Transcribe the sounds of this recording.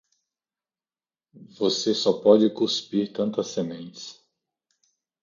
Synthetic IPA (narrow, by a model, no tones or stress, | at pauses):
vosesɔpɔd͡ʒɪkuspiɾt̪ɐ̃nt̪ɐsemẽnt͡ʃɪ̥s